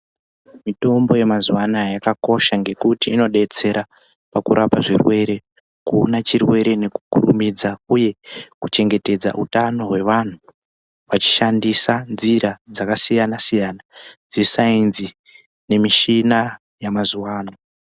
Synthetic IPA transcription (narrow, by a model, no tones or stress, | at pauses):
mito̞mbo̞je̞mazuwanajakako̞ʃaŋɡe̞kutiːno̞ɗe̞t͡se̞ɾa | pakṵɾʔapaʐirwe̞ɾe̞ | kuonat͡ʃirwe̞ɾe̞ne̞ku̥kṵrṵmid͡zauje̞kut͡ʃe̞ŋɡe̞te̞d͡za̰ʔutano̞ɦwe̞ʋan̤u | ʋat͡ʃi̥ʃandisanziɾad͡zakasijanasijaːnad͡zisainzi | ne̞miʃina | jamazuwaːna